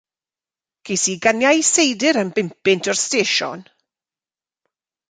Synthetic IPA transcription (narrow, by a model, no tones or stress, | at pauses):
kʰejsiɡanjajsejdɪɾəmbɪmpɪntʰɔrsteːʃɔ̰n